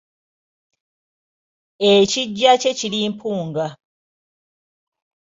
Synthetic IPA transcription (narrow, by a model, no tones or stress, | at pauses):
eciɟːace̞ciliːmpʰuːŋɡa